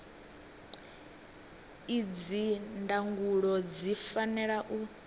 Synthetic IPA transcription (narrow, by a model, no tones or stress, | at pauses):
id͡zindaŋɡuɺɔd͡zifanɛɺaʔu